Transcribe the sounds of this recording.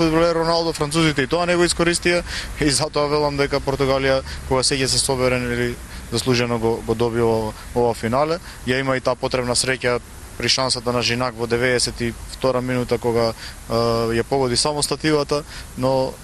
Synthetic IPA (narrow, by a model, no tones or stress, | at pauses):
fud̪bɔlɛɾɔnalˠd̪ɔfɾant̪suzit̪ɛit̪ɔanɛɡɔiskɔɾist̪iaizat̪ɔavɛlˠamd̪ɛkapɔɾt̪uɡalijakoɡasɛcɛs̬ɛsɔβɛɾɛnili | zaslˠuʒɛnɔɡɔɡɔd̪ɔβivˠa | ɔvafinalɛ | jaimait̪aːpɔt̪ɾɛbnasɾɛca | pɾiʃansat̪anaʒinakvɔd̪ɛvɛːsɛt̪ift̪ɔɾaminut̪akɔɡa | japɔɡɔd̪isamɔst̪at̪ivat̪anɔ